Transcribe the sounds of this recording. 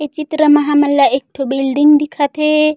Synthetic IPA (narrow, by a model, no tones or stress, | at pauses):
ɛt͡ʃitɾamaɦamalːaʔɛk̚tobeldiŋdikʰatɛ